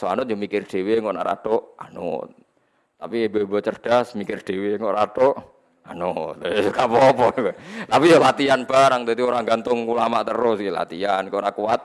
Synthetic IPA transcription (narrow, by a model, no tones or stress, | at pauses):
soa̰nʊt̪̚d͡ʒomikɪrd̪̥e̤weŋkɔʔnaʔɾa̰t̪oʔa̰nʊ̰t̪̚ | t̪apibebɔt͡ʃərd̥asmikɪrd̪̥eweŋoʔɾat̪oʔ | a̰noskapɔpɔkɛt̪apijalat̪ianb̥aɾaŋt̪et̪ioɾaŋɡant̪ʊŋkulamaʔt̪əɾʊsla̰t̪iankonakuat̪̚